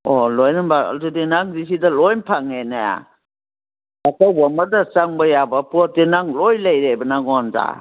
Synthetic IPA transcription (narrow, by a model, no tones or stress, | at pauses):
ɔlɔjnɯnbaa̰ltudinaŋdis̬idalɔjnpʰaŋenaja̰ | akawbamadasaŋbajabapudenaŋlɔjlajɾebɐnaŋɔnza̰